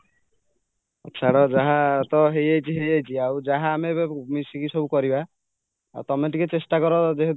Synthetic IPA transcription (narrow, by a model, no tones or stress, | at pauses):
ɔ̰tːt͡ʃʰaɽɔd͡ʒaɦat̪ɔɦejajt͡ʃʰiɦejajt͡ʃʰiawd͡ʒaɦaːmebmisikisɔbukɔɾiba | a̰wt̪ɔmeʈiket͡ʃesʈakɔɾɔd͡ʒeɦet̪